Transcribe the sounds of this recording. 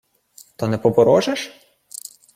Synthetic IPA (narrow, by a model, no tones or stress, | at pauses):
t̪ɔnɛpɔbɔɾɔʒeʃ